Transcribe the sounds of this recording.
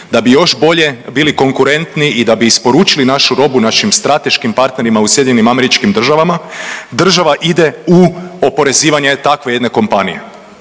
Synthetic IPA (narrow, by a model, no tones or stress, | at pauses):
d̪abijo̞ʃbo̞ʎe̞biliko̞ŋkuɾe̞nt̪niʔid̪abiːspo̞ɾuːt͡ʃilinaʃuɾo̞bunaʃimst̪ɾat̪e̞ʃkimpaɾt̪ne̞ɾimausje̞d̪iɲenimame̞ɾit͡ʃkimd̪r̩ʒaʋamad̪r̩ʒaʋaʔid̪e̞uo̞po̞ɾe̞ziːʋaɲe̞t̪akʋe̞je̞d̪ne̞ko̞mpanḭje̞̰